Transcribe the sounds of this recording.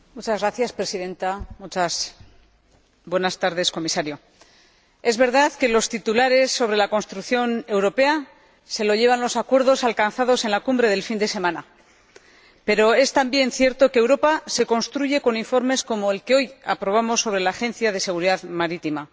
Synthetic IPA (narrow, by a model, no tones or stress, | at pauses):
mut͡ʃazɣɾaθjaspɾe̞siðe̞nt̪amut͡ʃas | bwe̞nast̪aɾðe̞sko̞misaɾjo̞ | e̞zβe̞ɾðaðke̞lo̞st̪it̪ulaɾe̞sːo̞β̞ɾe̞lako̞nst̪ɾukθjo̞ne̞wɾo̞pe̞a | se̞lo̞ʎe̞β̞anlo̞sakwe̞ɾð̞o̞salkanθaðo̞se̞nlakumbɾe̞ð̞e̞lfind̪e̞se̞mãna | pe̞ɾo̞e̞st̪ambje̞nθje̞ɾt̪o̞keːwɾo̞pase̞ko̞nst̪ɾuʝe̞ko̞niɱfo̞ɾme̞sko̞mo̞elke̞o̞ja̰pɾo̞β̞amo̞sːo̞βɾe̞laːxe̞nθjaðe̞se̞ɣ̞uɾiðaðmaɾit̪ima